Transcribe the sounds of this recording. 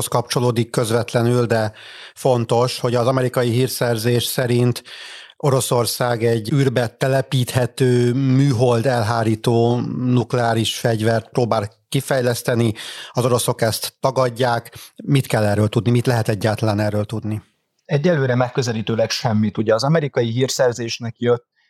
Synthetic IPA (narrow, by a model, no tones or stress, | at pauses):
oskɒp̚t͡ʃo̞loːd̪ikːø̞zvɛt̪lɛnyld̪ɛfo̞nt̪o̞ʃho̞ɟɒzɒmɛɾikɒjiɦiːrsɛrzeːʃsɛɾint̪o̞ɾo̞so̞rsaːɡɛɟːyːrbɛt̪ɛlɛpiːt̪hɛt̪øːmyːɦo̞ld̪ɛlɦaːɾiːt̪oːnuklɛaːɾiʃfɛɟvɛrt̪proːbaːlkifɛjlɛst̪ɛniɒzo̞ɾo̞so̞kɛst̪ːɒɡɒɟːaːkmit̪kɛlːɛrːøːlt̪ud̪nimit̪lɛɦɛt̪ɛɟːaːlt̪ɒlaːnɛrːøːlt̪ud̪ni | ɛɟːɛlːøːɾɛmɛkːøzɛliːt̪øːlɛkʃɛmːit̪uɟɛːzɒmɛɾikɒjiɦirsɛrzeːʃnɛkjøt̪ː